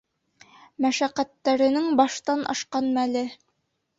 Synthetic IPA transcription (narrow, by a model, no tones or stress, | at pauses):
mæʃæqːæt̪ːæɾɘ̆nɘŋbɑʃt̪ɑnʔɑ̰ʃqɑnmælɘ